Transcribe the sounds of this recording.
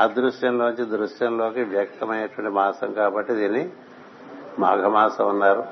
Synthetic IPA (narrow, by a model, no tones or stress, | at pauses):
aːd̪ɾuʂjɐmloːnut͡ʃid̪ɾuʂjɐmlo̞ːkiʋjɐk̚t̪ɐmɐjnɐʈuʋɐɳʈimaːsɐmkaːbɐʈːid̪iːnːi | ma̰ːɡʱɐmaːsɐmunːaːɾu